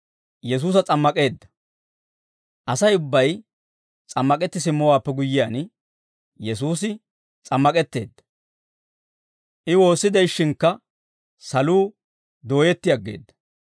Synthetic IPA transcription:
jɛs̬uːs̬ɐt͡sʼɐmːɐkʼe̞ːd̪ːɐ̥ | ʔɐsɐjʊbːɐj | t͡sʼɐmːɐkʼɛt̪ːɪs̬ɪmːɔwaːpːɛɡʊjːɪjaːn | jɛs̬uːsɪ | t͡sʼɐmːɐkʼɛt̪ːe̞̰ːd̪ːɐ̥ | ʔɪwo̞ːsːɪd̪ɐjʃːɪŋkːɐ | sɐluː | d̪o̞ːjɛt̪ːɪjɐɡːe̞̰ːd̪ːɐ̥

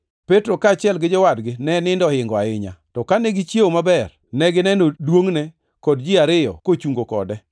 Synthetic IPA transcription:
petɾokat͡ʃɪɛlɡɪd͡ʒɔwadɡɪnɛnɪndɔhɪŋɡɔaɪɲa̰tɔkanɛɡɪt͡ʃjeomabɛr | nɛɡɪnɛnodwoŋnɛ | kɔdd͡ʒɪaɾɪjɔ̰kot͡ʃuŋɡokɔ̰dɛ

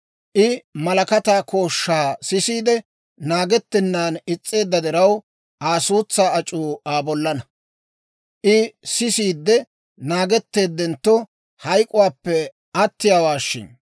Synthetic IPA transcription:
ʔɪmɐlɐkɐt̪aːko̞ːʃːaːsɪsiːd̪ɛ | naːɡɛt̪ːɛnːaːnɪt͡sʼːe̞ːd̪ːɐd̪ɛɾɐw | ʔaːsuːt͡sːaːɐt͡ʃʼuːaːbɔlːɐnɐ | ʔɪsɪsiːd̪ːɛ | naːɡɛt̪ːe̞ːd̪ːɛnt̪ːɔ | hɐjkʼʊwaːpːɛ | ɐt̪ːɪjaːwaːʃːɪ̰n

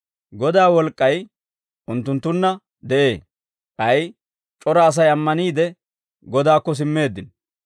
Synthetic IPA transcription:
ɡɔd̪aːwɔlkʼːɐj | ʔʊnt̪ːʊnt̪ːʊnːɐ | d̪ɛʔe̞ː | ʔɐj | t͡ʃʼɔɾaːs̬ɐjɐmːɐniːd̪ɛ | ɡɔd̪aːkːɔs̬ɪmːe̞ːd̪ːɪn

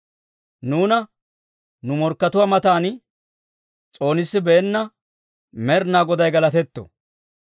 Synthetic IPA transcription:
nuːnɐ | nʊmɔɾkːɐt̪ʊwaːmɐt̪aːn | t͡sʼo̞ːnɪsːɪbɛːnːɐ | mɛɾnaːɡɔd̪ɐjɡɐlɐt̪ɛt̪ːɔ̰

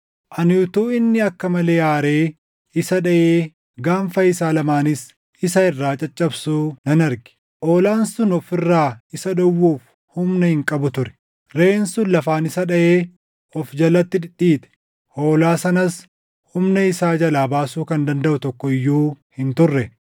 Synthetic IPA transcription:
ʔɐnjʊt̪uːɪnːɪɐkːɐmɐle̞ːaːɾeː | ɪsɐᶑɐʔeː | ɡaːɱfɐɪsaːlɐmaːnɪs | ɪsɐɪrːaːt͡ʃʼɐt͡ʃʼːɐbsuːnɐnɐɾɡɪ̥ | ʔoːlaːnsʊnɔfɪrːaːɪsɐᶑɐwːuːf | hʊmnɐhɪŋkʼɐbʊt̪ʊɾɛ̥ | ɾe̞ːnsʊlɐfaːnɪsɐᶑɐʔeː | ʔɔfd͡ʒɐlːɐt̪ːɪᶑɪᶑiːt̪ɛ̥ | hoːlaːsɐnɐs | hʊmnɐɪsaːd͡ʒɐlaːbaːsuːkɐnd̪ɐnd̪ɐʔʊt̪ɔkːɔɪjːuːhɪnt̪ʊrːɛ

